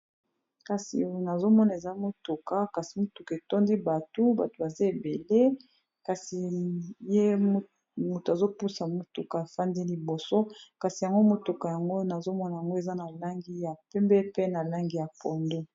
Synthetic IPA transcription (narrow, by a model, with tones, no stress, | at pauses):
ka˨si˨na˨zo˦mɔ˦na˨e˨za˦mo˨tu˨ka˨˦ka˨si˨mo˨tu˨ka˨e˨to˦ndi˦ba˨tu˦ba˨to˨ba˨za˦e˨be˨le˦ | ka˨si˨je˦ | mu˨to˨a˨zo˦pu˦sa˨mo˨tu˨ka˨e˨fa˦ndi˦li˨bo˨so˦ka˨si˨ja˨ŋɡo˦mo˨tu˨ka˨ja˨ŋɡo˦na˨zo˦mɔ˦na˨ja˨ŋɡo˦e˨za˦na˨la˦ŋɡi˦ja˨pɛ˦mbɛ˦pe˦na˨la˦ŋɡi˦ja˨pɔ˨ndo˦